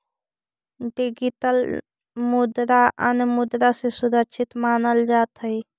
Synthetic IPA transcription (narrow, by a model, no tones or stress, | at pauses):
ɖiɡiʈəl | mʊd̪ɾaʔə̰nmʊd̪ɾasesuɾəkʃʰɪt̪maːnəld͡ʒaːt̪ɦəi